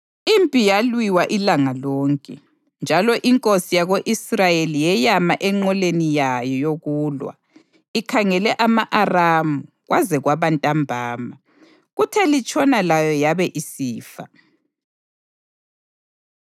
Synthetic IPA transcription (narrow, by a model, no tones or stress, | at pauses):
impʼijalwiwaʔilaŋalɔːŋkʼɛ | nd͡ʒʱalɔʔiŋkʼosijaɣoʔisrajelijɛjamaʔɛŋ͡ǃɔlenijajɔjoɣuːlwa̰ | ikʰaŋɛlɛʔamaʔaramu | ɣwʔazɛɣwaβantʼambʱaːma | ɣutʰɛlit͡ʃʼɔnalajɔjaβɛʔisiːfa̰